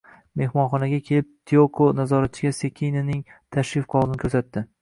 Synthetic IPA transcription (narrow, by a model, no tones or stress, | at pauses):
me̞hmɒnχɒnaɡʲakʲʰe̞lɪp̚t̪ʰiokʰonazɒɾat̪̚t͡ʃʰɪɡʲasekʲʰijnɪnɪŋt̪ʰaʃɾɪfqʰɒʁlɪnɪkʰɵɾsat̪ːɪ